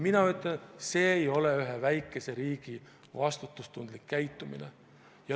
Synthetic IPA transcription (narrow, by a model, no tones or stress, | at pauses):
minɑyt̪ˑːɑnse̞ːjo̞le̞yɦevæjkːˑe̞se̞ɾiːɡ̥i | vɑst̪ut̪ːˑust̪und̪likːæjt̪ːˑumḭnḛ | jɑ